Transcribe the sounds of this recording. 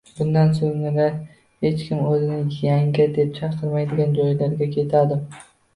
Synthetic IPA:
b̥ʊnd̪ansoŋɪnɪ | he̞t͡ʃkʲɪmɵzɪnɪjaŋɡʲɪd̪e̞p̚t͡ʃʰɑɾqʰɨɾmajd̪ɪɡʲand͡ʒɒjlaɾɡʲakʲʰe̞t̪ʰad̪ɪm

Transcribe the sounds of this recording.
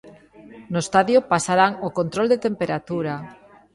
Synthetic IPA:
noest̪aðjopasaɾaŋokont̪ɾold̪et̪empeɾat̪uɾa

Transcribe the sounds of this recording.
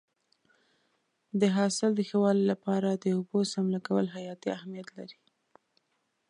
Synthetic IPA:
d̪əɦɑsɪld̪əxewɑlilapɑɾad̪əobosamlakawəlɦajɑt̪iahmijat̪la̰ɾi̥

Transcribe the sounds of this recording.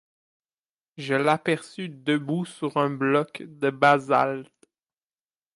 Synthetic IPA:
ʒəlapɛʁsyd̪əbusyʁɛ̃blɔkd̪əbaza̰lt̪

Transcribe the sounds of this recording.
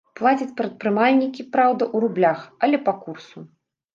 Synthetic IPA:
plˠat͡sʲɐt͡sʲpɾɐt̪̚pɾɨmalʲnʲikʲipɾawd̪ɐʔuɾublʲaxɐlʲɛpɐkursu

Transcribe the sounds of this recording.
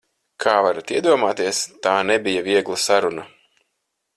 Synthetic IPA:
kʰaːvaɾat̪iɛd̪uɔmaːt̪iɛst̪aːnɛbʲijaviɛɡlˠasaɾuna

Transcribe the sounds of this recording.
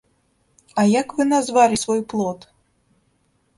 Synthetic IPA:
ɐjakvɨnazvalʲisvɔjplˠɔt̪

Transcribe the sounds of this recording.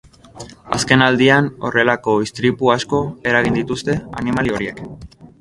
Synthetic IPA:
a̰ske̞nald̪iano̞̰re̞lako̞ist̪ɾipuasko̞e̞ɾaɣind̪it̪ust̪e̞a̰nimalio̞ɾie̞k

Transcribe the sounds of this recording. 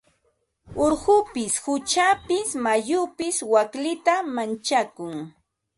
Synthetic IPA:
oɾhʊpɪsxʊt͡ʃapɪsmajʊpɪswaklɪt̪amant͡ʃakʊŋ

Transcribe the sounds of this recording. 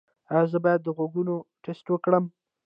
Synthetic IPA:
azəbɑjad̪ːəɣoɡunoʈesʈwəkɽəm

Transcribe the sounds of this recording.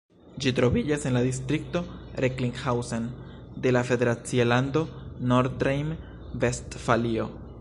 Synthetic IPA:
d͡ʒitɾo̞vid͡ʒase̞nladistɾik̚to̞ɾekliŋɡhawson | de̞lafe̞de̞ɾat͡sialando̞noɾɾejm | ve̞stfalio̞

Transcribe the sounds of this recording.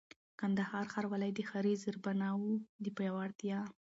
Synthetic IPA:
kand̪ahɑɾxaɾwalajd̪əxaɾizəɾbanɑwud̪əpajawaɽt̪jɑ

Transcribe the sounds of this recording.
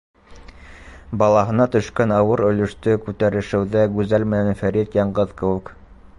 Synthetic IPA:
bɑlˠɑɦɤ̆nɑt̪ɵ̆ʃkænɑwɤɾɵ̆lɵ̆ʃt̪ɵkʉt̪æɾɘ̆ʃɘ̆wðæɡʉzælmænænfæɾit̪jɑɴɢɤðkɘ̆wɘ̆k

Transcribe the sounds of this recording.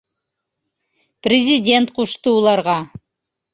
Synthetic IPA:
prʲɪzʲɪdʲe̞nt̪̚quʃt̪ɤulˠɑɾʁɑ

